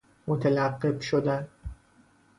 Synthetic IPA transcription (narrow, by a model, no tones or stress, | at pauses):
mot̪ʰelæqːebʃod̪æn